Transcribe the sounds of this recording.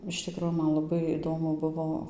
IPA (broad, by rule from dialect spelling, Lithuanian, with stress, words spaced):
ɪʃ ˈtʲɪkroː ˈmɐn lˠɐˈbɐɪ iːˈdoːmʊ ˈbʊʋoː